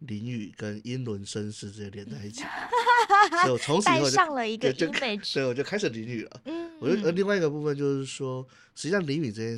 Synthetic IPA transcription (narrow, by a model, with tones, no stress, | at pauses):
li˧˥ŋy˨˩kə˥ni˥nlwə˧˥nʂə˥nʂɻ̩˥˧ʈ͡ʂ̩˥˧˩ljɛ˧˥nt͡sa˥˧ɪi˥˩t͡ɕʰḭ˨˩˦ | ɔ˨˩t͡sʰʊ˧˥ŋʂ̩˨˧˥ɑ˥˩ŋlə˨i˧˥ɡə˥˧t͡ɕo˥˧e˨˩sɔ˧˥i˨wɔ˨˩t͡ɕo˥˧kʰa˥ɪʂɻ̩˨˩li˧˥ny̰˨˩lə̰˩˦ɔ˨˩t͡ɕo˥˧˩li˥˧ŋwa˥˧ɪi˥ɡə˧pu˥˧˩fə˧˨nt͡ɕjo˥˧ʊʂɻ̩˥˩ʂwɔ˥ | ʂɻ̩˧˥t͡ɕi˥ɑ˥˩ŋli˧˥ŋmi˨˩ʈ͡ʂɤ˥˧˩t͡ɕjɛ˥